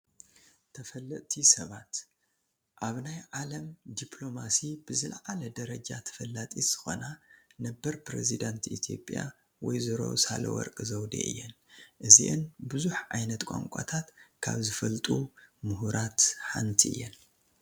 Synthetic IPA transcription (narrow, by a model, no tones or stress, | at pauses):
t̪ʰːɐfɐlːɐʔ̪ʼt̪ʰisɐβat̪ | ʔaβnajʕalɐmd̪ipʰlo̞masib̥ɨzɨlʕalɐd̪ɐɾɐd͡ʒat̪ʰɐ̥fɐlːat̪ʼiz̥ɨ̥xo̞nanɐbːɐɾpɾḛzid̪ant̪it̪ʰjo̞̰pʼja̰ | wɔjzɨɾo̞̰sa̰lɐ̰wɔ̰ɾkʼɨzɐwd̪ḛʔɨ̰jːɛnʔɨziʔɨnbɨzuħʕajnɐt̪kʼa̰ŋkʷʼa̰t̪ʰat̪kʰa̰βzɨfɐlt̪ʼumuhuɾʔat̪ħa̰nt̪ʰiɨ̰jːɛn